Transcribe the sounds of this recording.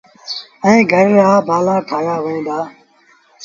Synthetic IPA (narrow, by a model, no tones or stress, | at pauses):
ɛ̃ːɡʱəɾeːaːbʱaːlaːkʰaːjaːʋẽːd̪aː